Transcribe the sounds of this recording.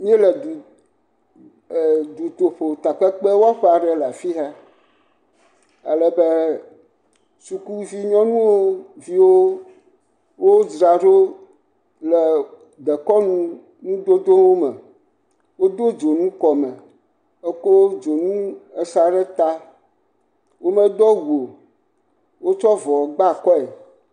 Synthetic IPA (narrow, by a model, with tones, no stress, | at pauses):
mĩ˦e˦lɛ˨d̪u˨ | d̪u˨t̪o˨ɸo˨t̪a˨k͡pɛ˦k͡pe˦wo˦a˦ɸɛ˦a˨ɖɛ˦la˨fi˦ɦɛ˦ | a̰˨lɛ˨be˦ | su˨ku˦vi˦ɲɔ̃˦nũ˦wo˦vi˦wo˦ | wo˦d͡ʒɾa˨ɖo˦ | lɛ˨ | d̪ɛ˨kɔ˦nũ˦ | nũ˦d̪o˦d̪o˦wo˦mɛ̃˨ | wo˦d̪o˦d͡ʒo˨nũ˦kɔ˨mɛ̃˨ | e˦ko˦d͡ʒo˨nũ˦e˨sa˨ɖɛ˦t̪a˦ | wo˦mə̃˦d̪ɔ˦wu˨o˨ | wo˦t͡ʃɔ˦vɔ˨ɡ͡ba˦˨kɔ˦e˨